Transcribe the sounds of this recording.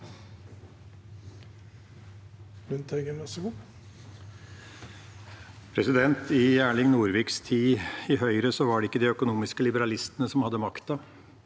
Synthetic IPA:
ʉnt̪ʰɛɡəmɑsəɡuː | pʰɾɛsɪd̪ɛnt̪ɪjæːɭɪŋnuːɾʋiːkst̪ʰiːɪhœʏɾəsɔʋɑɖɛɪkːəd̪iœkʊnuːmɪskəlɪbəɾɑlɪst̪ənəsɔmhɑd̪ːəmɑkt̪ɑ

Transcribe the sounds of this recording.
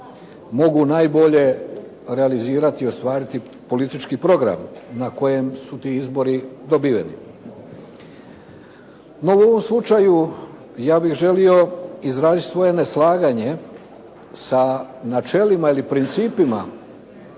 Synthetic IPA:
mo̞ɡunajbo̞ʎe̞ | ɾealiziːɾat̪io̞st̪ʋaːɾit̪i | po̞lit̪it͡ʃkipɾo̞ɡɾa̰mnako̞je̞msut̪iːizbo̞ɾid̪o̞biːʋḛnḭ | no̞uo̞ʋo̞mslˠut͡ʃaju | jaːbixʒe̞lio̞izɾaːzit̪sʋo̞je̞ne̞slˠaːɡaɲe̞ | sanat͡ʃe̞limailipɾint̪siːpima̰

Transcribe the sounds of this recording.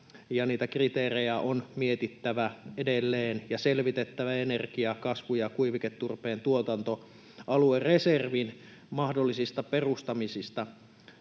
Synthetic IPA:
jɑniːt̪ækrit̪eːrejæʔonmiet̪it̪ːæʋæedelːeːnjɑselʋit̪et̪ːæʋæenerɡiɑkɑsʋujɑkuiʋiket̪ːurpeːnt̪uot̪ɑnt̪o | ɑluereserʋinmɑhdolːisist̪ɑperust̪ɑmisist̪ɑ

